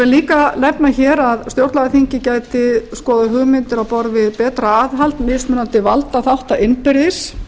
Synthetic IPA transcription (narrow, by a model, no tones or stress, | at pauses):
ɛliːkalɛpnaçɛːɾaðst̪jowɾt̪laɣaθiɲcɪcaːjt̪ɪskɔːðʏɦʏɣmɪnt̪ɪɾaðpɔɾvɪðpɛːt̪ɾaaːðɦalt̪mɪsmʏːnant̪ɪvalt̪aθawht̪aɪnpɪɾðɪs